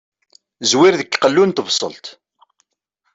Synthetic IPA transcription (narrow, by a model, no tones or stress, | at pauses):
zwiɾðəkːqːəlːunt̪əvsˤə̰lt̪